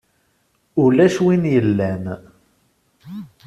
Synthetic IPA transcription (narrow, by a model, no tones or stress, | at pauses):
ulæʃwinjəlːæn